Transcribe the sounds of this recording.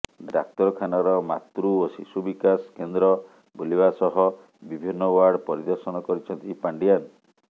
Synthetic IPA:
ɖɾa̰k̚t̪ɔɾɔkʰanɔɾɔmat̪ɾuosisubikaskend̪ɾɔ | bulibasɔɦɔ | bibʱinːɔwaɾɽpɔɾid̪ɔɾsɔnɔkɔɾit͡ʃʰɔnt̪ipaɳɖijan

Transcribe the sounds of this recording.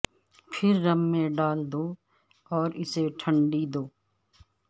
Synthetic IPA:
pʰɪɾːɐmːẽɖaːld̪oː | ɔːɾɪseʈʰə̃ɳɖid̪oː

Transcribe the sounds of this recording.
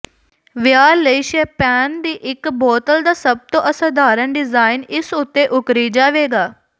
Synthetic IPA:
ʋɪjaːləiʃeːpɛːnd̪iːʔɪkbɔːt̪əld̪aːsəb̚t̪õːʔəsaːd̪aːɾənɖɪzaːɪnɪsʊt̪ːeːʔʊkɾiːd͡ʒaːʋeːɡaː

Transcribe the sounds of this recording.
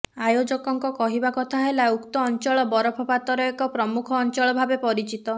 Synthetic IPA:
ajod͡ʒɔkɔŋkɔkɔɦibakɔt̪ʰaɦelaukt̪ɔːnt͡ʃɔɭɔbɔɾɔpʰɔpat̪ɔɾɔekɔpɾɔmukʰɔːnt͡ʃɔɭɔbʱabepɔɾit͡ʃit̪ɔ

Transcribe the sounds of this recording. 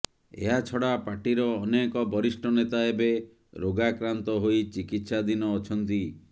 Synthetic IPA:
ḛɦat͡ʃʰɔɽapaʈiɾɔːnekɔbɔɾisʈɔnet̪aebe | ɾoɡakɾant̪ɔɦoit͡ʃikit̪sad̪inɔːt͡ʃʰɔnt̪i

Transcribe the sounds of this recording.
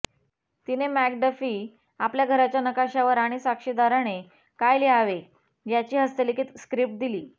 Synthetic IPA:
t̪inemæk̚ɖəfiː | apljaɡʱəɾat͡ɕjanəkaɕaʋəɾaɽ̃isakʂid̪aɾaɽ̃e | kajleaʋe | jat͡ɕiːɦəst̪əlikit̪skɾip̚ʈ̚d̪iliː

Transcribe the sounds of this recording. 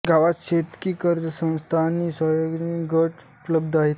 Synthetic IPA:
ɡʱaʋaɕet̪kiːkəɾd͡ʑəsə̃w̃st̪ʰaːnisɔjoɡĩɡəʈupləb̚d̪ʱaɦet̪

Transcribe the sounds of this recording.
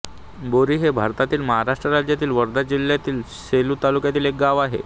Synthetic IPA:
boɾiːɦebʱaɾt̪at̪iːlməɦaɾaʂʈɾəɾad͡ʑjat̪iːlʋəɾd̪ad͡ʑil̤ːjat̪iːl | seluːt̪alukjat̪iːlek̚ɡaʋaɦḛ

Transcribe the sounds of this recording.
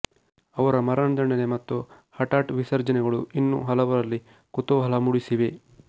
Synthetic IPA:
ɐʋɐɾɐmɐɾɐɳd̪ɐɳɐnemɐt̪ːu | hɐʈaːʈʋisɐɾd͡ʒɐnɛɡɐɭuinːṵɦɐlɐʋɐɾɐlːi | kut̪oːɦɐlɐmuɽisiʋe̞

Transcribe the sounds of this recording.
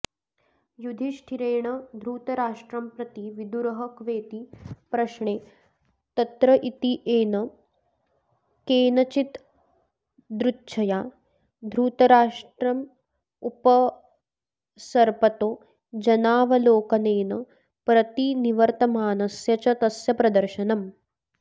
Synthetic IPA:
jud̪ʱiʃʈʰiɾeːɳɐd̪ʱɾuːt̪ɐɾaːʂʈɾɐmpɾɐt̪iʋid̪uɾɐɦɐkʋeːt̪ipɾɐʃɳeː | t̪ɐt̪ɾɐʔit̪iʔeːnɐ | keːnɐt͡ʃit̪ | d̪ɾutːʃʰɐjaː | d̪ʱɾuːt̪ɐɾaːʂʈɾɐm | upɐ | sɐɾpɐt̪oː | d͡ʒɐnaːʋɐloːkɐneːnɐ | pɾɐt̪iniʋɐɾt̪ɐmaːnɐsjɐt͡ʃɐt̪ɐsjɐpɾɐd̪ɐɾʃɐnɐm

